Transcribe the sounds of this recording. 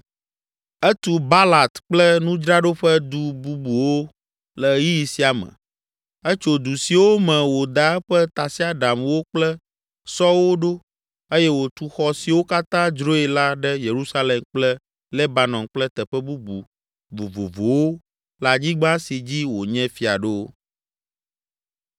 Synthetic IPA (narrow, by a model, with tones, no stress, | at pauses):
ɛ˦t̪u˨ba˦la˨t̪k͡plɛ˦nũ˦d͡ʒɾa˦ɖo˦ɸɛ˦d̪u˨bu˦bu˨wo˦ | lɛ˨ji˦ji˨si˦a˨mə̰̃˨ | ɛ˦t͡ʃo˨d̪u˨si˨wo˦mɛ̃˨wo˨d̪a˨˦ɸɛ˦t̪a˨si˦a˦ɖa˨mwo˦k͡plɛ˦ | sɔ˦wo˦ɖo˦ | e˦jɛ˦wo˨t̪u˨xɔ˨si˨wo˦ka˦t̪ã˦d͡ʒɾo˦e˨la˦ɖɛ˦je˨ɾu˦sa˦lɛ˨mk͡plɛ˦ | lɛ˦ba˨nɔ̃˨ŋk͡plɛ˦t̪ɛ˨ɸɛ˦bu˦bṵ˨ | bo˨vo̰˨vo˨wo˦ | la˨d͡ʑi˦ɡ͡bã˦si˨d͡ʑi˦wo˨ɲɛ̃˦fi˨a̰˨ɖe˦o˦